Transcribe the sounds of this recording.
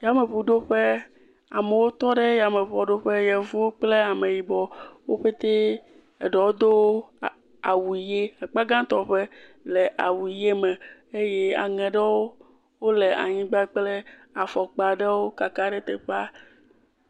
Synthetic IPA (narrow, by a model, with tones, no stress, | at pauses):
ja˨me˨ɸu˨ɖo˦ɸe˦ | a˨me˨wo˦t̪ɔ˦ɖe˦ja˨me˨ɸɔ˨ɖo˦ɸe˦jɛ˨vu˦wo˦k͡ple˦a˨me˨ji˨bɔ˨wo˦ɸe˦t̪e˦ | ḛ˨ɖɔ˨wo˦d̪o˦w | a˨wu˨i˨je˦a˨k͡pa˦ɡã˦t̪ɔ˨ɸe˦ | le˨ʔa˨wu˨je˦mɛ̃˨e˦je˦a̰˨ŋɛ̃˨ɖe˦wo˦ | wo˦le˨a̰˨ɲĩ˦ɡ͡ba˦k͡ple˦a˨fɔ˨k͡pa˨ɖe˦wo˦ka˨ka˦ɖe˦t̪e˨ɸa˦